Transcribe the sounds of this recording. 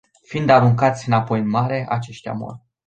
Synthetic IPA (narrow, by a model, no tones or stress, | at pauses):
find̪aɾuŋkat̪sʲɨnapo̞jɨnmaɾe̞ʔat͡ʃe̞ʃt̪ʲa̰mo̰r